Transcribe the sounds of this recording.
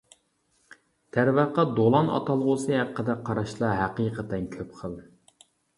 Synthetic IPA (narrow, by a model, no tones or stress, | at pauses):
t̪ʰæɾvæqːɑd̪olˠɑnɑ̰t̪ʰɑlˠʁʊsɨɦæqːəd̪ɛqʰːɑɾɑʃlˠɑɦæqiːqət̪ɛnkʲʰøpqʰəlˠ